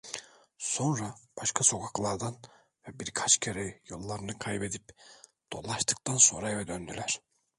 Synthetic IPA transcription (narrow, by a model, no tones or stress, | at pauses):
so̞nɾab̥aʃkʰaso̞kʰaklˠaɾd̪an | vɛbiɾkʰat͡ʃcʰeɾɛjolˠːaɾɯnɯkʰajbe̞d̪ipd̪̥o̞̰lˠːaʃt̪ʰɯ̥k̚t̪ʰanso̞̰ɾavɛd̪ønd̪ylʲæɾ̥